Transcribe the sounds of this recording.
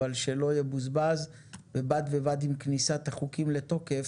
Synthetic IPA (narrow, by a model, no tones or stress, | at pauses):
alʃelo̞jebuzbaz | vebadvebadimknisat̪aχukimlet̪o̞kef